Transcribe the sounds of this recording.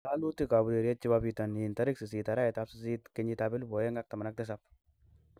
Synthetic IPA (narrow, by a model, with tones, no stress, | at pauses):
a˦lu˦t̪i˦ka˨bu˨de˨ɾje˦t̚t͡ʃi˦bapi˨t̪a˨ni˨nt̪ɐ˦ɾɪ˦ksi˨s̬i˨ta˨ɾa˦ɛ˨t̪apsɪ˦si˦t̪ke˦ɲi˦t̪abɪ˦lbo˨je˦ŋɡa˦k̚t̪ɐ˨ma˨na˦k̚t̪ɪs̬ap̚